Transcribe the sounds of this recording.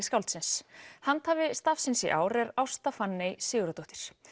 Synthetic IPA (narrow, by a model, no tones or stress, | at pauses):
skawlt̪sɪnshant̪haːvɪst̪afsɪnsiʔa̰ːwɾɛɾawst̪afanːejsɪːɣɾat̪oht̪ɪ̥ɾ̥